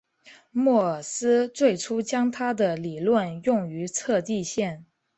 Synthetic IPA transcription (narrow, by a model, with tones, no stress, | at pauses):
mwɔ˥˩sɹ̩˥t͡swe˥˩ɪʈ͡ʂʰu˥t͡ɕjɑ˥ŋt̪ʰa˥d̪ə˨li˨˩lwə˥˧njʊ˥˩ŋy˧˥t͡sʰɤ˥˧t̪i˥˧ɕjɛ˥˩n